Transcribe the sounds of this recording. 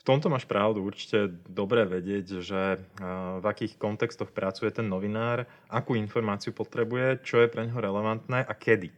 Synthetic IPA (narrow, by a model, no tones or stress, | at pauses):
ft̪ɔmt̪ɔmaːʃpɾʔaʊd̪uuɾt͡ʃi̥cɛɛd̪ɔbɾɛːʋɛɟɪɛɟʒɛ | vakiːxkɔnt̪ɛkst̪ɔxpɾat͡sujɛt̪ɛnːɔʋinaːɾ | ʔakuːinfɔɾmaːt͡siupɔt̪ɾɛbujɛt͡ʃɔjɛpɾɛɲɦɔɾɛlɛʋant̪nɛːʔakʰɛd̪i